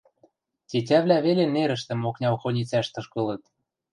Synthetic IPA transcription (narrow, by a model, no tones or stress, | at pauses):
t̪ʲet̬ʲæβlʲæβeleneɾə̆ʃt̪ə̆moknʲɑwxonʲit͡sæʃt̪ɤ̆ʃkɤ̆lɤ̆t̪̚